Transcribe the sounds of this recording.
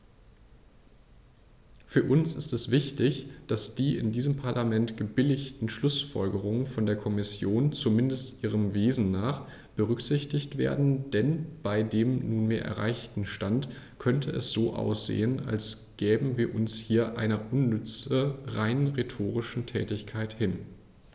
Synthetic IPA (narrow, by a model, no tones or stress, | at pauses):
fyːɐʔʊnsɪstɛsv̥ɪçtɪçd̥asd̥iːʔɪ̰ndiːzəmpʰaɐlʔamɛntɡ̥əbɪlɪçtn̩ʃlʊsfɔ̰lɡəʁ̞ʊŋənfɔndeːɐkʰɔmɪsjoːnt͡sumɪndəstʔiːʁ̞əmveːzn̩naːχ | b̥əʁʏkz̥ɪçtɪçtv̥ḛːɐdn̩d̥ɛnb̥aɪdeːmnuːnmeːɐʔɛ̰ɐʁa̰ɪçtn̩ʃtant | kʰœntʰəɛ̰sz̥oːʔa̰ʊsz̥ḛːəna̰ls | ɡ̥ɛːbm̩viːɐʔʊnshiːɐʔa̰ɪnɐʔʊnːʏt͡səʁaɪnəʁetʰoːʁ̞ɪʃn̩tʰɛ̰ːtɪçkʰaɪthɪn